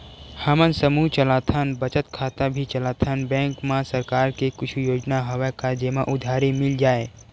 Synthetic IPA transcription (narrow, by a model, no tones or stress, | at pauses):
həmənsəmuːɦt͡ʃəlaːt̪ʰənbət͡ʃət̪kʰaːt̪abʱit͡ʃəlaːt̪ʰənbɛ̃ːŋkmãsəɾkaːɾkekʊt͡ʃʰujoːd͡ʒnaɦoʋakad͡ʒeːmaʔʊd̪ʱaːɾemɪld͡ʒaːe